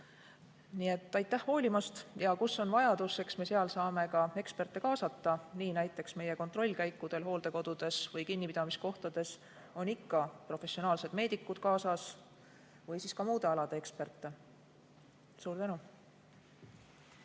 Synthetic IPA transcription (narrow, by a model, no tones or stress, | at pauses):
nie̞t̪ːˑɑjt̪ːˑæhho̞ːlʲimɑst̪jɑkusːo̞nvɑjɑd̪̥usːe̞ksme̞seɑlsɑːme̞kɑe̞kspe̞rt̪ːˑe̞kɑːsɑt̪ːˑɑniːnæjt̪ːˑe̞ksme̞je̞ko̞nt̪ro̞lʲːkæjkːˑud̪̥e̞lɦo̞ːld̪̥e̞ko̞d̪̥ud̪̥e̞svɤjkinʲːipid̪̥ɑmisko̞ht̪ɑd̪̥e̞s | o̞nikːɑpro̞fe̞sːio̞nɑːlse̞d̪̥me̞ːd̪ikːˑud̪̥kɑːsɑs | vɤjsiːskɑmuːd̪e̞ɑlɑd̪e̞ekspe̞rt̪ːˑe̞ | suːɾd̪ænu